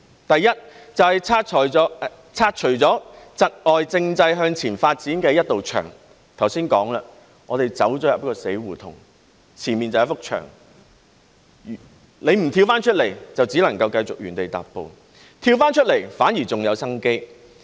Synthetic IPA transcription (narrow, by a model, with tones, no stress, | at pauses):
t̪ɐ˨jːɐ˥t̚ːt͡sɐ˨whɐ˨jt͡sʰaː˧˨˦ | t͡sʰaː˧t̚t͡ʃʰɵ˨˩t͡sɔː˨˥t͡sɐ˨t̚ʔɔː˨jt͡sɪ˧ŋt͡sɐ˧jɦœː˧ŋt͡sʰiː˨˩nfaː˧t̚t͡siː˨˥nkɛː˧jɐ˥t̚t̪ːo˨wt͡ʃʰœ̰ː˨˩ŋ | t̪ʰwsiː˥nkɔː˨˥ŋla˧ | ŋɔː˨˧t̪e˨jt͡sɐ˨˥wt͡sɔː˨˥jɐ˨˩pɐ˥kɔː˧se˨˥jwuː˨˩t̪ʰʊ˨˩ŋ | t͡sʰiː˨˩nmiː˨nt͡sɐ˨jɐ˨˥fʊ˥k̚t͡ʃʰœ̰ː˨˩ŋ˨ | le˨˧jm̩˨˩t̪ʰiː˧wfaː˥nt͡ʃʰɵ˥t̚le˨˩jt͡sɐ˨wt͡siː˨˥lɐ˨˩ŋkɐ˧wkɐ˧jt͡sʊ˨k̚jyː˨˩nt̪e˨jt̪a̰ː˨˩ppːo̰˨˧w | t̪ʰiː˧wfaː˥nt͡ʃʰɵ˥t̚le˨˩jfaː˨˥njiː˨˩t͡sʊ˨ŋjɐ˨˧wsɐ˥ŋke˥j